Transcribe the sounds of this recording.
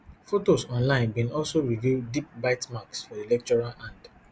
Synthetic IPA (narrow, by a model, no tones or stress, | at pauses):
fotosɔ̃nlãɪ̃nkɛ̃nɔlsoɹividip̚baɪtmaksfɔilɛk̚t͡ʃɔɹalãnd